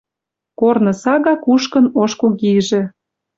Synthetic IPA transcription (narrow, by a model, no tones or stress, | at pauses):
kornɤ̆sɑɣɑkuʃkɤ̆noʃkokiʒĕ